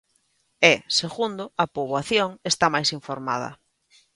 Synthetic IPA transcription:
ɛseɣund̪ʊɐpoβwaθjoŋest̪amajsiɱfoɾma̰ð̞ɐ̰

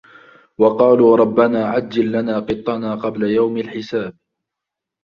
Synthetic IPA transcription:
wɑqɑːluːɾˤɑbːanaːʕad͡ʒːalːanaːqɨt̪ˤːɑnaːqɑblajawmalħɪsaːb̚

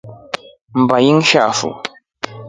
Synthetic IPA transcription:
mbajiŋʃaːfṵ

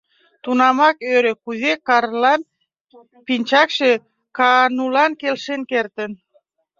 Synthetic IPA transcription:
t̪unɑmɑkøɾekuzekɑrlɑn | pinʲt͡ɕɑkʃe | kɑnulɑnkelʃenkert̪ən

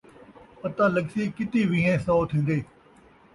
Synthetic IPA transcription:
ət̪ãːləksiːkɪt̪iːʋĩːɦẽːsaːot̪ʰĩːnd̪eː

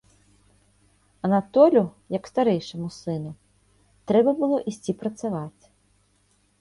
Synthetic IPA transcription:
ɐnat̪ɔlʲʊjɐkst̪aɾɛjʂɐmʊsɪnʊ | t̪ɾɛbɐbʊlˠɔʔisʲtʲipɾɐt̪saʋatʲ

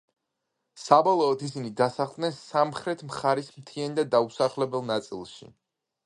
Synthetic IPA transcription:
sabɔlˠɔːt̪ʰisinid̪asaχlˠd̪nɛnsamχɾɛt̪ʰmχaɾismt̪ʰiɛnd̪ad̪ausaχlɛbɛlˠnat̪sʼḭlˠʃḭ

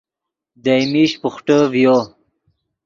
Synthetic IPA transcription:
d̪ajmiɕpuχʈəvjo

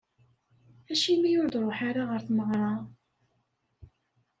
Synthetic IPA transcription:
æʃimijʊɾd̪ɾˤoħaɾaʁəɾθməʁɾˤɑ

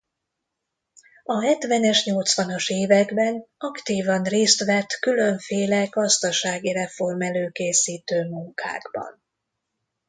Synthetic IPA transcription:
ɒɦɛt̪ʋɛnɛʃɲo̞lt̪sʋɒnoʃeːvɛɡbɛnɒkt̪iːvɒnreːst̪ʋɛt̪kylø̞ɱfeːlɛɡɒzt̪ɒʃaːɡiɾɛfo̞rmɛløːkeːsiːt̪øːmuŋkʰa̰ːɡbɒ̰n

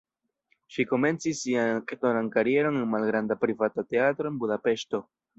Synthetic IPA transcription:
ʃiko̞me̞nt͡sisːianktonankaɾie̞ɾo̞nenmalɡɾandapɾivatate̞atɾo̞enbudape̞ʃto̞

